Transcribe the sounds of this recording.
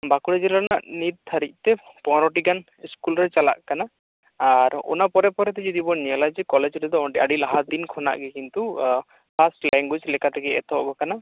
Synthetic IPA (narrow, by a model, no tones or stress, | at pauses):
bakuɽad͡ʒɛlana̰ʔnit̪̚t̪ʰaɾic̚t̪ɛ | pɔ̃ɾɔʈiɡan | iskulɾɛt͡ʃala̰ʔkana | aɾɔ̰napɔɾɛpɔɾɛt̪ɛd͡ʒɔd̪ibɔniɛlajd͡ʒɛkɔlɛd͡ʒɾɛd̪ɔɔɳʈiʔaɖilaɦad̪inkʰɔna̰ʔɡɛkint̪u | pʰasʈlɛŋɡwɛd͡ʒlɛkat̪ʰɛkɛɛt̪ɔʔbɔkana